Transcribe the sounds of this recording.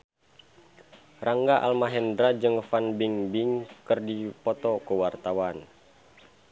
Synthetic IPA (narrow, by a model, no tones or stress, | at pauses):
rʔaŋɡaʔa̰lmaɦɛndɾad͡ʒɨŋfanbiŋbiŋkɨrdipɔt̪ɔkəwart̪awan